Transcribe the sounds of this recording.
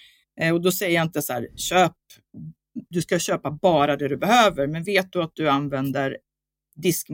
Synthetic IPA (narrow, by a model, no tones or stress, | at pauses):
ɔd̪ɔsɛjːəjaɪnt̪əsahæːɾɕøːp̚ | d̪ɵskaɕøːpabɑːɾad̪ɛd̪ɵbɛhøːvəɾmɛnveːt̪̚d̪ɵat̪̚d̪ɵanvɛnd̪əɾ | d̪ɪskm